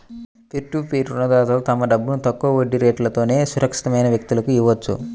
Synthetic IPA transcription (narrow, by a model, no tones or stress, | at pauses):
kiʈːuːpiːʈunɐd̪ɐːɐt̪o̞ːt̪ɐmɐɖɐbːunut̪ɐkːuɐoɖːiɾe̞ːʈlɐt̪o̞ːne̞ːsuɾɐkʂi̥t̪ɐmɐjnɐʋjɐk̚t̪ulɐkuiʋɐt͡ʃːṵ